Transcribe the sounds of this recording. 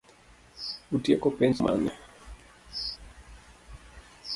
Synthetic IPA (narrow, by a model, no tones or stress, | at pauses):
utiɛkɔpɛnsma̰nɛ